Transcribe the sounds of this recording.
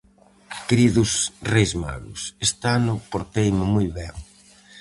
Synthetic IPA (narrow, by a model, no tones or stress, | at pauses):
keɾiðʊsrejzma̰ɣʊ̰sest̪anʊpoɾt̪ejmʊmujβɛŋ